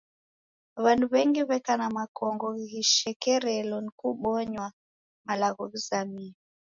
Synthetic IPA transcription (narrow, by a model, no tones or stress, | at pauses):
βanduβɛŋɡiβɛkanamakɔŋɡɔɣiɣiʃɛkɛɾɛlɔnikuɓɔɲwa | malaɣɔβizamia